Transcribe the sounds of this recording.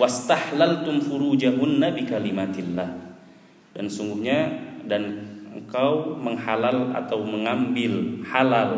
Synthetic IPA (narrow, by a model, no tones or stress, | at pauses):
wast̪ahlalt̪ʊmfuɾud͡ʒaɦunːabikalimat̪ilːah | dansuŋɡuhɲadanəŋkawməŋhalala̰t̪awməŋambɪlhalal